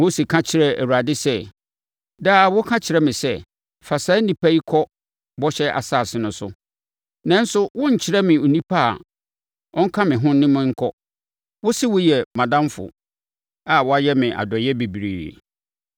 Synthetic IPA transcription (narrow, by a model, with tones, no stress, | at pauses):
mo˦si˨kʰã˦t͡ɕʰɪ˨ɾɛ˦æ˨wu˨ɾa˨dɪ˦sɛ˦ | daː˦˨wʊ˦kʰã˦t͡ɕʰɪ˨ɾɛ˦mɪ̃˨sɛ˦ | fa˨saː˨˦nĩ˨pʰa˦i˦kʰɔ˦ | bɔ˦ɕɛ˦ʔa̰˨saː˦˨sɪ˦nʊ̃˨sʊ˦ | nã˦n̩˦sʊ˦wʊ̃˦ɲ̩˨t͡ɕʰɪ˦ɾɛ˦mɪ̃˨o˨nĩ˦pʰa̰˦˨ | ɔ̃˦ŋ̩˦kʰã˦mɪ̃˨ɦʊ̃˦nɪ̃˦mɪ̃˦ŋ̩˦kʰɔ˦ | wʊ˦sɪ˦wʊ˦jɛ˨mã˨dã˦mfʊ̰˨ | a˨wɔ˦a˦jɛ˦mɪ̃˨ʔa̰˨dɔ˨jɛ˦bi˨bi˨ɾḭː˨ḛ˨